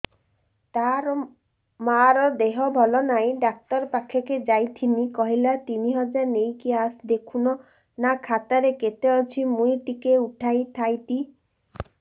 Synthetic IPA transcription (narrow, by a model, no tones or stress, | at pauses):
t̪aɾɔ | maɾɔd̪eɦɔbʱɔlɔnaj̃ɖak̚t̪ɔɾpakʰeked͡ʒajt̪ʰinikɔɦilat̪iniɦɔd͡ʒaɾnejkiasd̪ekʰunɔ | nakʰat̪aɾeket̪eɔt͡ʃʰimũjʈikeuʈʰajt̪ʰajt̪i